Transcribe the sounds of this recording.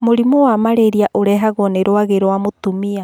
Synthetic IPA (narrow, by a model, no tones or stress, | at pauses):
moɾimowamaɾeɾiaʔoɾɛɦaɣoneɾoaɣeɾoamotumia